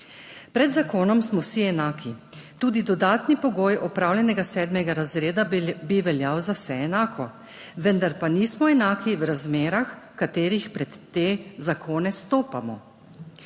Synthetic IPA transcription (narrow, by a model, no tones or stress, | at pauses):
pɾɛd̪zakoːnɔmsmɔwsiɛnaːkʰit̪uːd̪id̪ɔd̪aːt̪nipɔɡoːjɔpɾaːwljɛnɛɡasɛːd̪mɛɡaɾazɾeːd̪abiʋɛljawzawsɛɛnaːkʰɔ | ʋənd̪aɾpanismɔɛnaːkiwɾazmeːɾaxkat̪eːɾixpɾɛt̪ːeːzakoːnɛst̪oːpamɔ̰